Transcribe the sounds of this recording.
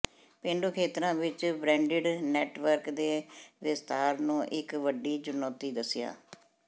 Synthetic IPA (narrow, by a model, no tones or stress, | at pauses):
pẽːɳɖuːkʰeːt̪ɾãːʋɪt͡ʃbɾɛ̃ːɳɖɪɖnɛːʈʋəɾkd̪eːʋɪst̪aːɾnũːʔɪkʋəɖiːd͡ʒʊnoːt̪iːd̪əsja̰ː